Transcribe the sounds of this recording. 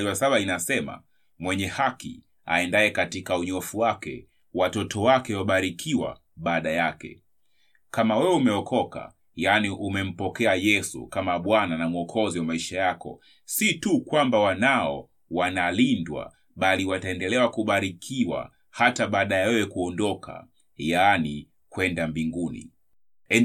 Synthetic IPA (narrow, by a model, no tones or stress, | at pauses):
wasaɓainasɛma̰ | mwɛɲɛhakḭ | a̰ɛndaɛkatikauɲɔfuwakɛ̰ | watɔtʰɔwakɛwaɓaɾikʰiwa̰ | ɓaːɗajakɛ̰ | kamawɛwɛumɛɔkʰɔka̰ | janiʔumɛm̩pɔkɛajɛsṵkamaɓwananamuɔkʰɔziwamaiʃajakɔ̰ | situkwambawanaɔ̰ | wanalindwa̰ | ɓaliwataɛndɛlɛwakuɓaɾikʰiwa̰ | hataɓaːɗajawɛwɛkuɔndɔkʰa̰ | jani | kwɛndambiŋɡunḭ | ɛ